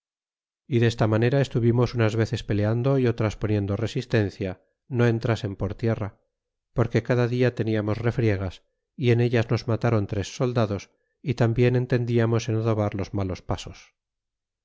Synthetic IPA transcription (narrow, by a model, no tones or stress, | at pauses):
iðe̞st̪amane̞ɾae̞st̪uβimo̞sunazβe̞θe̞spe̞le̞and̪o̞io̞t̪ɾaspo̞nje̞nd̪ore̞sist̪e̞nθja | no̞e̞nt̪ɾase̞mpo̞ɾt̪je̞ra | po̞ɾke̞kaðaðiat̪e̞niamo̞sre̞fɾje̞ɣ̞as | ie̞ne̞ʎazno̞zmat̪aɾo̞nt̪ɾe̞sːo̞ld̪aðo̞s | it̪ambje̞ne̞nt̪e̞nd̪iamo̞senoðo̞β̞aɾlo̞zmalo̞spaso̞s